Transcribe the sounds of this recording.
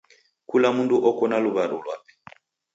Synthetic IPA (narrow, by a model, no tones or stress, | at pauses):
kulamunduʔɔkɔnaluβaɾṵlwa̰pɛ̥